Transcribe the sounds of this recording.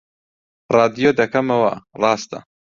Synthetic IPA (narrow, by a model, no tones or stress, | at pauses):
rˤɑːd̪ijod̪ɐkɐmɐwɐrɑːst̪ɐ̰